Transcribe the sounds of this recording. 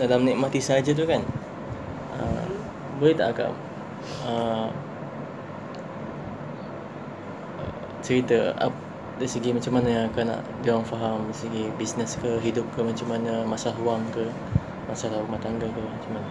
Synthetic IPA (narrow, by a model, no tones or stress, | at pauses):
dalamniʔmat̪isaad͡ʒət̪̬ukan | ə̰ | bolɛt̪a̰ʔɡa̰ʔ | ə | t͡ʃəɾit̪əa̰ | dajsəɡimat͡ʃamːanajãŋakana̰ʔd͡ʒawaŋfaɦamdasəɡibisnəskəɦidʊp̚kəmat͡ʃamanəmasalahwaŋkə | masalaumat̪aŋɡakəmat͡ʃamana